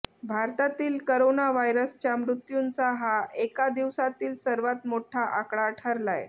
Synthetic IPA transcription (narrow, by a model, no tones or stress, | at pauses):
bʱaɾt̪at̪iːlkəɾonaʋajɾəst͡ɕjamɾut̪junt͡saɦaʔekad̪iʋsat̪iːlsəɾʋat̪moʈʰaʔakɽaʈʰəɾlaj